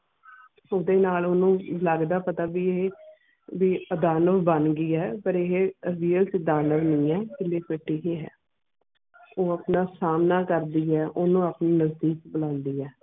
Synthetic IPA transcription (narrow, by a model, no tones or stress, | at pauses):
od̪eːnaːloːnũːləɡd̪aːpət̪aːbiːeɦe | biːəd̪aːnəʋbənɡiːɛːpəɾɪɦeɾiːəlt͡ʃd̪aːnəʋnĩːɛːkɪlːeːpɪʈːiːɦiːɦɛ̰ː | oːaːpnaːsaːmnaːkəɾd̪iːɛːʔonũːapniːnəzd̪iːkbəlãːnd̪iːɛː